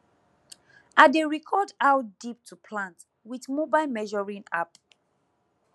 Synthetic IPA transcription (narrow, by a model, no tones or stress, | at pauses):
ʔadeɹikʰɔdawtdip̚tʰupʰlãnt | witmobaɪlmɛʒɔɹĩna̰p